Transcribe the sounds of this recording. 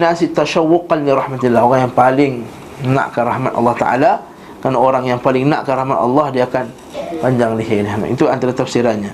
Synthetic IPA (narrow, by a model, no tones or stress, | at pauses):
nasit̪aʃawːʊqanːiɾɑhmat̪ilːahoɾaŋjaŋpalɪŋ | na̰ʔkəɾahmat̪ʔɑ̰lːɑht̪a̰ʔa̰la | kanaoɾaŋjaŋpalɪŋna̰ʔkərahmat̪ɑ̰lːɑhdiaːkan | paɲd͡ʒaŋliɦɪnma̰ʔit̪uant̪aɾat̪afsiɾaɲa